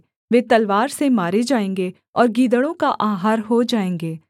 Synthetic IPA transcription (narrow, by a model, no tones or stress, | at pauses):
ʋeːt̪ɐlʋaːɾsemaːɾed͡ʒaːẽːŋɡe | ɔːɾɡiːd̪əɽõkaʔaːɦaːɾɦod͡ʒaːẽːŋɡeː